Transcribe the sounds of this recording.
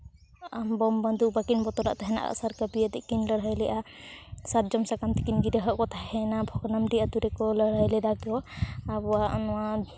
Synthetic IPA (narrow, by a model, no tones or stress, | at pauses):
ambɔmband̪ʱubakinbɔt̪ɔɾa̰ʔt̪aɦɛna̰ʔa̰saɾkabiat̪iʔkinləɽ̤ajlɛjʔasaɾ̚d͡ʒɔmsakamt̪ʰi̥kinɡiɾəɦəʔkɔt̪ʰahɛnabʱɔɡnamɖiʔat̪uɾɛkɔləɽajlɛd̪akɔabɔaʔnɔwa